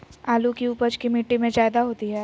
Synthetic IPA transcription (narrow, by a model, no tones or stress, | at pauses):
aːlukiuːpəd͡ʒkimiʈːimẽd͡ʒaːɪd̪aɦoːt̪iɦɛː